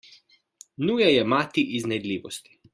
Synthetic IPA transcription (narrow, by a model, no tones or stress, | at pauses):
nuːjajɛmaːt̪iʔiznɛd̪lʲiːʋɔst̪i̥